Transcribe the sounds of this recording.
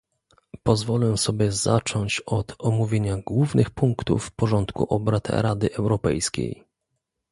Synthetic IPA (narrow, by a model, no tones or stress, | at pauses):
pɔzvɔlɛsɔbʲjɛza̰t͡ʂɔɲt͡ɕɔt̪ɔmuvʲjeɲaɡwuvnɘxpuŋkt̪ṵfːpɔʐɔnt̪kṵʔɔbɾat̪ɾad̪ɘʔɛwɾɔpɛ̰jskʲḛj